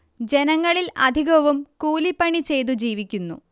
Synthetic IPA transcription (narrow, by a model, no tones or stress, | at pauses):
d͡ʑe̞nɐŋːɐɭilʔɐd̪ʱiɣɐʋumkuːlipːɐɳit͡ɕe̞jt̪ud͡ʑiːʋikʲːunːṵ